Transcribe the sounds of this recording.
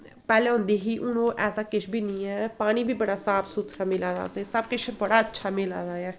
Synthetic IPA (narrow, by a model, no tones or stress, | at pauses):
pɛːleːɦʊ̃nd̪eːɦiːʔʊnõːʔɛːsaːkɪt͡ʃʰbʱiːnĩːɛːpaːñiːbʱiːbəɽaːsaːpʰsuːt̪ʰɾaːmɪlaːd̪a̰ːseːsəbkɪt͡ʃʰbəɽaːətːʃʰaːmɪla̰ːd̪aːɛː